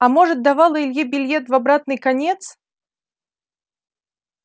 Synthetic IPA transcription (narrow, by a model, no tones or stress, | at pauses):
ɐmɔʐɨt̪̚d̪avalˠɐilʲjɛbʲɪlʲjɛt̪vabɾat̪nɨjkanʲɛt̪s